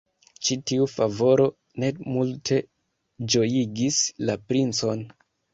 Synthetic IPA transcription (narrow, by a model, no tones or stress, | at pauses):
t͡ʃitiufavo̞ɾo̞ | ne̞multʰe̞ | d͡ʒo̞jiɡislapɾint͡so̞n